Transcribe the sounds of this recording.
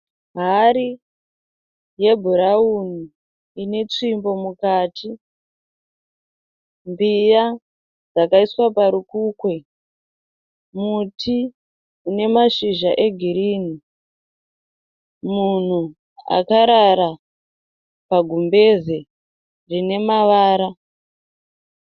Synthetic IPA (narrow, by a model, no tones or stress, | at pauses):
ɦaɾi | je̞bʱuɾauni | ine̞t͡ʂimbo̞mukaːtʰi | mbija | d͡zakaiswapaɾukuːkwe | mutʰi | une̞maʃiʒaʔe̞ɡʱiɾiːni | mun̤u | a̰kaɾaɾa | paɡʱumbe̞ze | rine̞maʋaːɾa